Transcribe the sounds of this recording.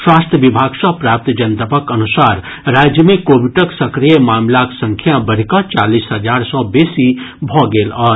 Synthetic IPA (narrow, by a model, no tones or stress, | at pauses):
swast̪ʰjəʋibʱaɡsɔ̃pɾap̚t̪d͡ʒənt̪əpəkənusaɾ | ɾad͡ʒjəmekobiʈəksəkɾijəmamlaksə̃ŋkʰjabəɾ̤kə̃t͡ʃalisɦəd͡ʒaɾsɔ̃besibʱɔɡelɔɾ